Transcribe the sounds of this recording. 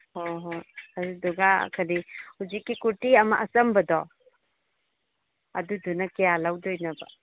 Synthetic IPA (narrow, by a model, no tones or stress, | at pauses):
hoɦoɐɾudɔɡa̰kʰɐɾihuzikːikuɾtiɐmɐʔɐsɐmbɐdɔ | ɐdudunɐkejalawdɔjnɐbɐ̰